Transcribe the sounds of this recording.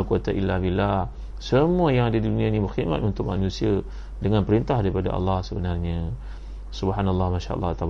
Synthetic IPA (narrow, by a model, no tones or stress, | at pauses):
kuat̪aʔilːabilːah | səmuəjaŋadadidunĩanĩbərxid̪ma̰t̪ʔunt̪ʊk̚ma̰nũsia | dəŋanpəɾint̪ahdaɾipada̰ʔa̰lːɑhsəbənarɲə | subɦanalːɑhmaʃa̰a̰lːɑt̪ab